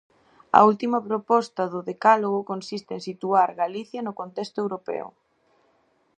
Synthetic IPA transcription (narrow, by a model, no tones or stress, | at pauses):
ɐ̰ult̪imɐpɾopɔst̪ɐðʊðekaloɣ̞ʊkonsist̪eeŋsit̪uaɾɣaliθjɐnʊkont̪ɛst̪ʊewɾopɛ̰o̰